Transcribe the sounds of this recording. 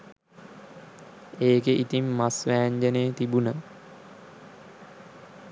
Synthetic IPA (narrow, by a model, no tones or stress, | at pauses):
eːɡeʔit̪imːasʋæːɲd͡ʒəneːt̪ibunə